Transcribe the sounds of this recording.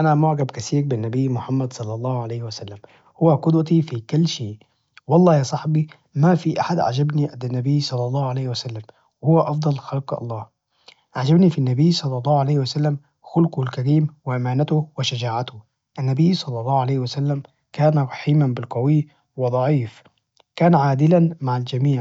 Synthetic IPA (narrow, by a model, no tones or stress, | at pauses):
ʔanamʊʕɡabkaθiːɾbɪnːabɪjːmʊħamːad̪sˤɑlːɑlˤːɑːhʕalaːhwɪsalːam | hʊwːaqʊd̪wat̪ifikɪlːʃeːʔ | wɑlˤːɑːjasˤɑħbi | mafiʔaħad̪ʕa̰d͡ʒabniʔad̪anːabɪːsˤɑlːɑlˤːɑːhʕalaːhwɪsalːam | wɪhʊwːaʔɑfd̪ˤɑlxalqʔɑ̰lˤːɑːh | ʕaʕd͡ʒabnifinːabiːsˤɑlːɑlˤːɑːhʕalajːhwasalːam | xʊlqʊhlkaɾiːmwɪʔamaːnat̪ʊwɪʃad͡ʒaːʕat̪ʊ | ʔanːabijːsˤɑlːɑlˤːɑːhʕalajhwɪsalːam | kaːnaɾˤɑħiːmanbɪlqawi | wɪd̪ˤɑʕiːf | kaːnʕaːd̪ɪlanmaʕald͡ʒamiːʕ